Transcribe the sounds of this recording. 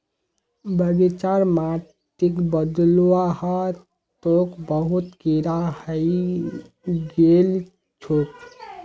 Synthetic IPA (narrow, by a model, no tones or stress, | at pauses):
bəɡit͡ʃaɾma | t̪ikbəd̪luwahə | t̪okbəɦut̪kiɾahəj | ɡel | t͡ʃʰot̪